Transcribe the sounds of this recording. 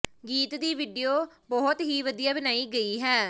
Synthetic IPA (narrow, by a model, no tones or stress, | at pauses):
ɡiːt̪d̪iːʋiːɖijoː | bɔːt̪ɦiːʋəd̪ijaːbɪnaːiːɡəiːɦɛː